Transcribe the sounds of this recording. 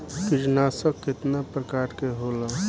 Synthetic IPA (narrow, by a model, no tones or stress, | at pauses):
kɪd͡ʒnaːsəkːɪt̪napɾəkaːʈkeɦoːla